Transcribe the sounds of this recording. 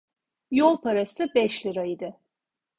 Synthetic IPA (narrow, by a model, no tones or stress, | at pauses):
jolˠpʰaɾasɯbɛʃlʲɯɾaid̪ɪ